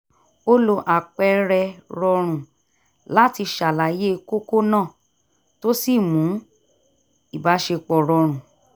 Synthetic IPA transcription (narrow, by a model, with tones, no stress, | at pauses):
o˦lo˧ʔa˨k͡pɛ˧˦ɾɛ˧ɾɔ˧ɾ̃ũ˨ | la˦ti˧ʃa˨la˨je˦˧ko˦ko˦nãː˦˨ | to˦si˦˨mũ˨˦ | i˨ba˨˦ʃe˧k͡pɔ˨ɾɔ˧ɾ̃ũ˨